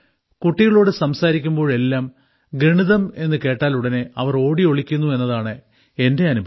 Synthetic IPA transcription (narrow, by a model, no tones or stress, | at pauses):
kuʈːiɣɐɭo̞ːɽɨsɐmsaːɾikʲːumbo̞ːɻɭe̞lːaːm | ɡɾiɳiðɐme̞nːɨke̞ːʈːaːluɽɐne̞ɐʋɐro̞ːɽio̞ɭikʲːunːue̞nːɐðaːɳɨ | e̞nde̞ɐnubʱɐ